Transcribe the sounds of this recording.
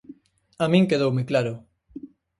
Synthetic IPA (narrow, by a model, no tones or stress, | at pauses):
amĩŋkeðowmɪklaɾʊ